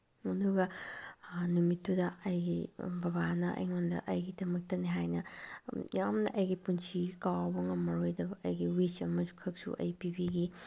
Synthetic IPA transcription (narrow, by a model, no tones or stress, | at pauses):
ɐduɡɐ | numitʰːudɐɐjɡibɐβanɐʔɐ̰jŋondɐ̰ʔɐjɡidɐmɐk̚tɐniɦajnɐ | jamnɐʔɐjɡipunsiɡikawɐbɐŋɐmɐɾojdɐbɐʔɐjɡiwit͡ʃɐmɐzukʰɐk̚sṵʔɐ̰jpibiɡi